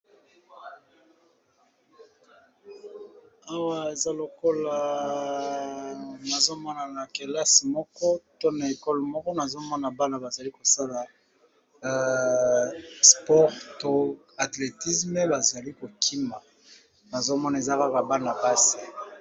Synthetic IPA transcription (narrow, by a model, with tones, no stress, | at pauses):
a˦wa˨e˨za˦lo˨ko˦la˨ | na˨zo˦mɔ˦na˨na˨ke˨la˦si˨mɔ˦kɔ˦to˦na˨e˨kɔ˦lmɔ˦kɔ˦na˨zo˦mɔ˦na˨ba˦na˨ba˨za˨li˦ko˨sa˦la˨˦ | spɔ˦ʁto˦ | a˨tle˨ti˦sme˦ba˨za˨li˦ko˨kʰi˦ma˨ | na˨zo˦mɔ˦na˨e˨za˦ka˦ka˨ba˦na˨pa˦si̥˨